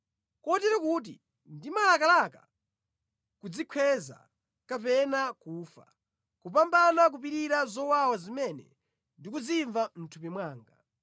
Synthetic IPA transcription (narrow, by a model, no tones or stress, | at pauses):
kɔtiɾakut̬ḭ | ndimalakalaka | kud͡zikʰɛza̰ | kapɛnakuːfa̰ | kup̬ambanak̬up̬iɾiɾazɔwawazimɛnɛ̰ | ndik̬ud͡ziɱvam̩tʰupimwaːŋɡa